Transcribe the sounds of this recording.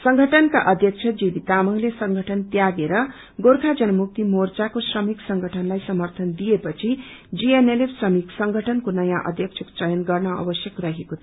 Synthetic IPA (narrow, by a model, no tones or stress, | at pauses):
sʌŋɡʱʌʈʰʌnkaʔʌd̪ʱjʌk̚t͡sʰʌd͡zib̪it̪amʌŋlesʌŋɡʱʌʈʰʌnt̪jaɡeɾʌ | ɡorkʰad͡zʌnʌmuk̚t̪imort͡sakosrʌmiksʌŋɡʱʌʈʰʌnlajsʌmʌrt̪ʰʌnd̪ijepʌt͡sʰid͡zienelesrʌmiksʌŋɡʱʌʈʰʌnkonʌjãʔʌ̰d̪ʱjʌkt͡sʰʌkt͡sʌjʌnɡʌrnʌʌ̰bʌsjʌkrʌɦekot̪ʰ